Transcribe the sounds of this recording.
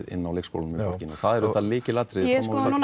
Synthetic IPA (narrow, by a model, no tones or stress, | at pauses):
ðɪ̰nːawleːksko̰wlnmɛpɔɾcɪnɔθaðɛɾʏalɪːcɪlaːt̪ɾɪðmɔsa